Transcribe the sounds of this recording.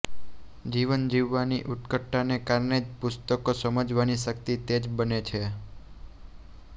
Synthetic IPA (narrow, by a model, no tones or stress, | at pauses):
d͡ʒiʋənd͡ʒiʋːaniʔut̪kəʈːanekaɾɳed͡ʒpʊst̪əkosəməd͡ʒʋaniʃəkt̪it̪ed͡ʒbənet͡ʃʰe